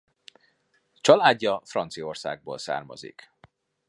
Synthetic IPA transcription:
t͡ʃɒlaːɟːɒfrɒnt̪sijorsa̰ːɡ̚boːlsa̰ːrmɒ̰zḭk

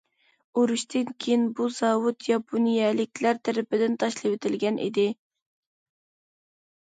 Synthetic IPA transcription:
oɾuʃt̪ɪnkʲʰejinbuz̥ɑwʊt̪jɑpʰunijɛlɪkʲlæɾt̪ʰæɾɪpɪd̪ɪnt̪ʰɑʃlˠɨwet̪ʰɪlɡʲɛnʔḭd̪ɪ

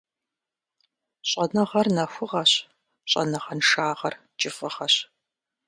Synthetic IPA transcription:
ɕʼɐnɐʁɐrnɐxʷʊʁɐɕ | ɕʼɐ̰nɐʁɐnʂaːʁɐr | t͡ʃʼɪfɐʁɐɕ

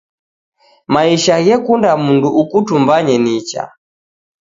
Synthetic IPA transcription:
maiʃaɣɛkundamunduukutumbaɲɛnit͡ʃa̰

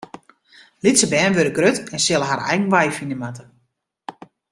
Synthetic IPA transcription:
litsəbɛːnʋøɾəɡrøtɛnsɪlˠəɦaɾɛ̰jɣən̩ʋajfinəmatə

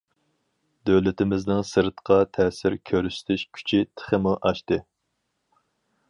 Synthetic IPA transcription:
d̪øwlɪt̪ɪmɪznɪŋsɨɾt̪qʰɑt̪ʰɛsɪɾkʲʰøɾyst̪ʰyʃkʲʰy̥t͡ʃʰit̪ʰə̥χəmuʔɑʃt̪ɨ

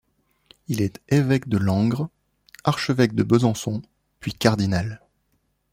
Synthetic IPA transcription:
ilɛt̪evɛkd̪əlɑ̃ɡʁ | aʁʃəvɛk̚d̪əbəzɑ̃sɔ̃ | pɥikaʁd̪inal

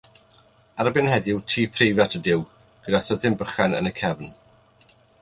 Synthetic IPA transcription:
aɾəbɪnhɛðɪwtʰiːpʰrejvjatʰədɪw | ɡ̥ədaθəðɪmbəχanə̰nəkʰɛvn

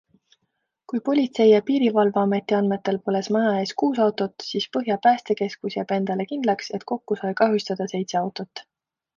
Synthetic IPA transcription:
kujpo̞lʲit̪se̞jɑpiːɾivɑlvɑɑme̞t̪ːˑiɑnme̞t̪ːe̞lpole̞smɑnɑeːskuːsɑwt̪o̞t̪siːspɤɦjɑpæːst̪e̞ke̞skusjɑb̥e̞nd̪̥ɑle̞kind̪lɑkse̞t̪ko̞kːusɑjkɑɦjust̪ɑd̪̥ɑse̞jt̪seɑwt̪ˑo̞t̪ˑː

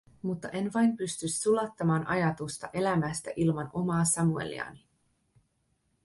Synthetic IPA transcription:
mut̪ːɑʔe̞nʋɑjnpyst̪ysːulɑt̪ːɑmɑːnʔɑjɑt̪ust̪ɑ̰ʔe̞læmæst̪æʔilmɑno̞mɑːsɑmue̞̰lḭɑ̰ni

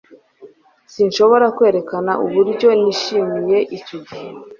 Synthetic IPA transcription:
sinʃo̞βo̞ɾakwe̞ːɾe̞kana̰ʔuβuɾɟo̞niʃimije̞ʔicuɡi

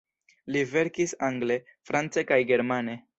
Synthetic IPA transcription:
live̞ɾkisaŋɡle̞ | fɾant͡sekajɡe̞ɾmane̞

